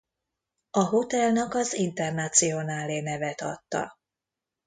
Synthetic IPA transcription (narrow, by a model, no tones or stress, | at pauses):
ɒɦo̞t̪ɛlnɒkɒzint̪ɛrnat̪sijo̞naːleːnɛvɛt̪ɒ̰t̪ːɒ̰